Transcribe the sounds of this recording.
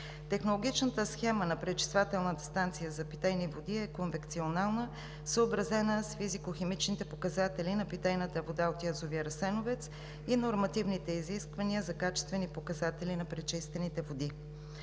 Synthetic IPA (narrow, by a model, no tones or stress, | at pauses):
t̪ɛxnolˠoɡʲit͡ʃnət̪əsxɛmənɐpɾɛt͡ʃi̥svat̪ɛlˠnət̪əst̪ant̪sijəzɐpit̪ɛjnivod̪iɛkonvɛkt̪sionalˠnə | səobɾɐzɛnəsfizikoxɛmit͡ʃnit̪ɛpokɐzat̪ɛlinɐpit̪ɛjnət̪əvod̪aot̪jazoviəɾɐsɛnovɛt̪s | inoɾmɐt̪ivnit̪ɛiziskvɐniəzɐkat͡ʃɛst̪vɛnipokɐzat̪ɛlinɐpɾɛt͡ʃist̪vɛnit̪ɛvod̪i